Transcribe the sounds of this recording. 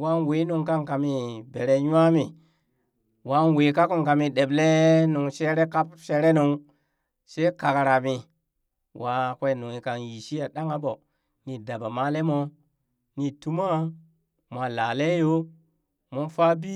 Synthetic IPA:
wa˦nwe˨˦nu˨ŋka˦ŋka˨mi˨be˨ɾe˨ɲ˦a˦mi˨ | wa˨˦nwe˨ka˦ku˦ŋka˨mi˨ɗe˨ble˦nu˨ŋʃe˦ɾe˦ka˦pʃe˦ɾe˦nu˨ŋ | se˦ka˨ka˨ɾa˨mi˨ | wʔa˨kʷe˦˨nu˨i˨ka˨nji˨ʃi˦a˨ɗa˦ŋa˦bo˨ | ni˨da˨ba˨ma˦le˦mo˦ | ni˨tu˦ma˦ | mʷ˨a˨la˨le˦jo˦ | mu˦nfa˦bi˦

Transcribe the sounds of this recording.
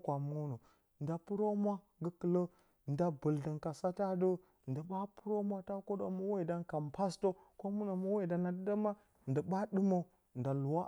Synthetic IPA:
kʷa˨mu˦no˨ | n̩˨da˨pu˦ɾo˦mʷ˦a˦ | ɡə˦kə˨lə˦˨ | n˨da˦bə˨ldə˨ŋka˨sa˦ta˦də˦ | n̩˨də˨ba˦pu˦ɾo˦mʷ˦a˦ta˦ko˦do̰˨ma˦we˦˨da˦nka˨mpa˦sto˦ | ko˦mu˦na˨ma˦we˦˨da˨na˨də˦də˦ma˦ | n̩˨də˨ba˦dɨ˦mo˨ | n̩˨da˨lu˨wa˦

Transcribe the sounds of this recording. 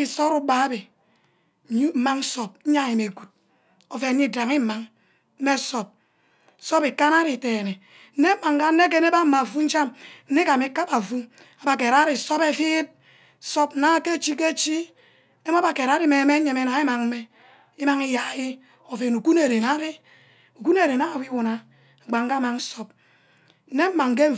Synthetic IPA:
i˦˨so˦ɾu˦ba˨˦be˨ | ɲi˦m̩˨ma˦ŋ˦so˨p̩̚˦ɲa˦˨ji˨me˨ɡu˨t̚ | o˨fe˨˦ɲi˦da˨ŋi˦m̩˨ma˦ŋ̩˦ | e˦so˨p̚ | so˦pi˨ka˦na˦ɾi˨teː˨ne˨ | n̩˦ne˦ma˨ŋ˨ka˦n̩˦ne˦k̬e˦ne˦ba˦a˨fu˦n̩˦t͡ʃa˦mn̩˦e˦ka˨mi˨˦ka˦pa˨fu˦ | a˨ba˨k̬e˨ɾa˦ɾi˨so˦pe˦fi˦t̚ | so˦p̚na˦ke˦t͡ʃi˦ke˦t͡ʃi˦ | e˦m˦a˦ba˨ke˨ɾa˨˦ɾi˦me˨˦me˦ɲe˨me˦na˨i˦ma˨ŋm̩˦me˦ | i˦ma˦ŋi˦ja˨ji˦ | o˨fe˨nu˨ku˦ne˨ɾe˨na˦ɾi˦ | u˨ku˦ne˨ɾe˨na˦˨wi˦wu˨na˨ | a˨ɡ͡ba˨ŋka˦ma˨ŋ˦so˦p̚ | n̩˦ne˦m̩˦ma˨ŋ˨k̬e˦˨

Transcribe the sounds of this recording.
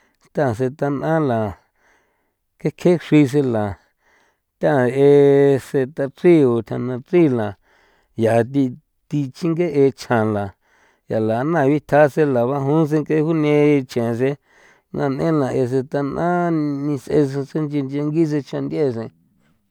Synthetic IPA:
t̪ã˦˨s̬e˧t̪a˧nʔã˦la˨ | ke˧˦kʰe˦ʂi˧s̬e˧la˨ | t̪ʲã˦˨e˧se˧t̪a˧t͡si˦o˨t̪ʲʰã˧nã˧t͡si˦˨lã˨ | ja˨t̪̬i˧ | t̪i˧t͡ʃi˦ŋɡe˦ʔe˧t͡ʃʰã˨la˨ | ja˨la˨˧˦nã˧˨βi˦t̪ʰa˧˦se˧la˨βa˧ɦũ˦s̬ẽ˧ŋke˧˦˧hu˦nẽ˧t͡ʃẽ˨s̬e˧ | nʔã̰˧˨nʔḛ̃˦lã˨e˧s̬e˧t̪a˧nʔã˦nĩ˧sʔḛ˧sse˦nd͡ʒe˧nd͡ʒe˧ŋɡi˦s̬e˧t͡ʃã˧nd̪ʲe˧˨s̬ẽ˧

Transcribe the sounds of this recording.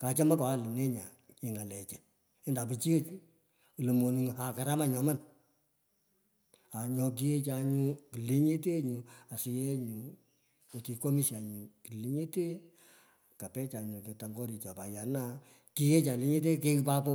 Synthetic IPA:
ka˨t͡ʃɔ˦ma˦ka˨a˦˨lɪ˨ne˦ɲa˨ | i˨ŋa˨lɛ˨t͡ʃɛ˨ | ɛ˦nda˨pi˨t͡ʃi˦e˦t͡ʃ | u˨lo˨mo˨nu˨ŋ˨a˨ka˨ɾa˦ma˦ɲɔ˨ma˦n | a˨ɲɔ˧k̬i˦e˦t͡ʃa˨ɲu˦ki˨li˦ɲe˦te˦ɲu˨a˨si˨je˦ɲu˨ | o˨ti˨ko˦mi˦sja˨ɲu˨ki˨li˦ɲe˦te˦ | ka˨pɛ˦t͡ʃa˨ɲu˨ke˨ta˨ŋɡɔ˦ɾi˨t͡ʃa˨pa˨ja˨na˦ | ki˦je˦t͡ʃa˨li˨˦ɲe˦t̬e˦ke˦kpa˦kɔ˦

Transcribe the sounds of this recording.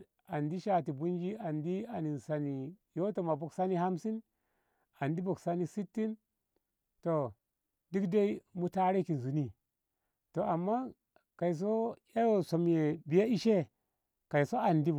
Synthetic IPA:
a˨ndi˦ʃa˨ti˨bu˦n˦d͡ʒi˦a˨ndi˦a˨ni˨nsa˨ni˨jo˦to˨ma˨bo˨ksa˦ni˦ha˦msi˦n | a˨ndi˦bo˨ksa˦ni˦si˦tːi˦n | to˨ | di˦kda˦i˦mu˦ta˦ɾe˦ki˨n˨zu˨ni˦ | to˨a˨mːa˦ | ka˨i˨s̬o˦a˦jo˦˨so˨mje˨bi˨ja˦i˦ʃe˦ | ka˨i˨so˦a˨ndi˦

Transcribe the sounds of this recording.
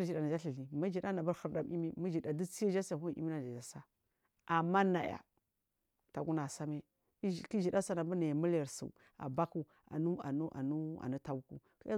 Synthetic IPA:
d͡ʒi˨da˨na˨d͡ʒa˦ɬi˨ɬi˨ma˦d͡ʒi˨ɗa˦na˨ba˦ɾhə˨ɾda˨mʔḭ˦mi˦ma˦d͡ʒi˨da˨du˦t͡si˦ja˦d͡ʒa˦sa˨u˦˨˦ḭ˦mi˦na˨d͡ʒa˨d͡ʒa˨sa˦ | ʔa˨mːa˦na˨ja̰˨ | ta˨ɡu˦na˨sa˦me˦˨ | ki˦d͡ʒi˨ɗa˦sa˨na˨bu˦na˨ja˨mu˦lja˨ɾsṵ˨ | a̰˨ba˦ku˨ | a̰˨nu˦a̰˨nu˦ʔa̰˨nu˦a̰˨nu˦ta˨u˦ku˨ki˦a˦

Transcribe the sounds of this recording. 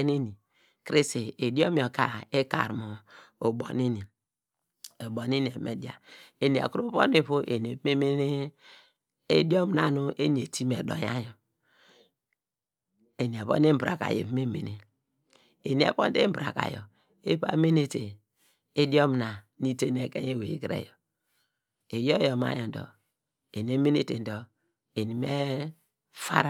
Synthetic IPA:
ni˦ni˨ | kɾi˦si˨e˨do˦mi˨o˨ka˨e˦ka̰˨ɾmo˨o˨bo̰˨ni˦ni˨ | o˨bo˨ni˦ni˨e˨˦me˨di˨a̰˨e˨ni˨ḛ˨ko˦βo̰˦ni˦βu˦ʔe˨n˨e˨˦me˦me˦ne˦ | ḛ˦di˦o˦m˨na˨nu˦ʔe˦ni˨e˨ti˦me˨do̰˨ja̰˦jo˨ | e˨n˨e˨βo̰˦n˦di˦m̩˦bɾa̰˨ka̰˨jḛ˨pme˦mḛ˨ni˨ | e˨ni˨ḛ˨po̰˦n˦de˦bɾa̰˨ka̰˨jɔ̰˨ | e˦pa̰˦me˦ne˦te˨ | e˦do˦m˨na˨ | ni˦te˦n˨e˨ke˦je˦we˨i˦kɾḛ˦˨jɔ˨ | e˨jo˦jo˨ma̰˦jo˨n˨dɔ̰˨ | e˨n˨e˦me˦ne˦te˨n̩˦do˨ | e˨ni˨me˦ | fa̰˦ɾ

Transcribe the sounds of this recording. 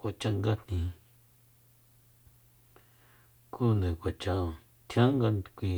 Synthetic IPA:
kʷa˧t͡ʃã˦ŋɡa˦nnĩ˨ | ku˦nɨ̃˨kʷa˨t͡ʃã˧˨ | t̪ʰã˦ŋɡa˧kʷĩ˧

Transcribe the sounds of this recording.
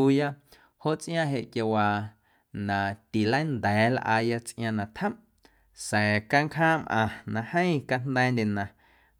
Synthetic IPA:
u˧ja˦ | ho˦ʔt͡sʔj̃ã˧ɦe˧˨ʔkja˧wa˧ | nã˨t̪i˨lə̃˦nd̪ɛː˨˦lʔa̰ː˧ja˧t͡sʔj̰̃ã˧nã˨t̪hə̃˦m | sɛ̃ː˨ka˧ŋkɦãː˦mʔã̰˧˨nã˧hə̃˦ĩ˦˧ka˧n̥d̪ɛ˦˧nd̪ʲe˨nã˨

